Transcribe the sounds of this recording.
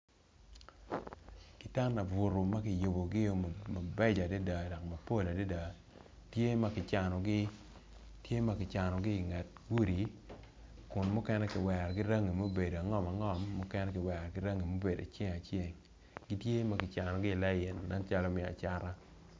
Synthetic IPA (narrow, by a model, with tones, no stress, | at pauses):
kɪ˨ta˦na˨bu˨ɾo˨ma˦kɪ˨jo˨bo˨ɡɪ˦jo˦ma˨bɛ˦d͡ʒa˨de˦da˨dɔ˨k̚ma˨po˦˨la˨de˦da˨ | tje˦ma˦kɪ˨t͡ʃa˨nɔ˨ɡɪ˦ | tje˦ma˦kɪ˨t͡ʃa˨nɔ˨ɡɪː˦˨ŋa˨t̚ɡu˦ɾi˨ | kʊ˨nmʊ˦kɛ˦nɛ˦kɪ˨wɛ˨ɾɡɪ˦ɾa˦ŋi˨mo˦be˨do˨a˨ŋɔ˦ma˨ŋɔ˦˨mːʊ˦kɛ˦nɛ˦kɪ˨wɛ˨ɾɡɪ˦ɾa˦ŋi˨mo˦be˨da̰˨t͡ʃje˦ŋa˨t͡ʃje˦˨ŋ | ɡɪ˦tje˦ma˦kɪ˨t͡ʃa˨nɔ˨ɡɪ˦˨la˦jɪ˨nːa˦nt͡ʃa˦lɔ˦mɪ˨a̰˨t͡ʃa˦ɾa˦